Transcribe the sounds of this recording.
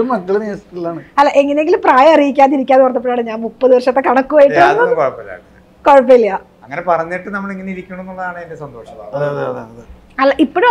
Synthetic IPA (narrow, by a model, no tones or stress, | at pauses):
umɐkːɐɭeneːsit̪ːilːaːɳɨɐlːaʔeŋːɐneeŋɡilumpraːjɐɐrijikʲːaːniɾikʲːaːnʋɐrɐnːɐp̬ːoɭjaːɳɨɲaːnmupːɐðɨʋɐrʂɐt̪ːekɐɳɐkːuʋɐːjiʈːɨɐnːɐkoɻɐpːɐlja̰ːkː | koɻɐpːelːija | ɐŋːɐnepɐrɐɲːiʈːɨnɐmːɐɭeŋːɐneiɾikʲːuɳɐ̃oenːuɭːɐðaːɳɨendesɐnd̪o̞ːʂɐma̰ɐðɐðɐð̰ɐðɨ | ɐlːaʔipːoːɽ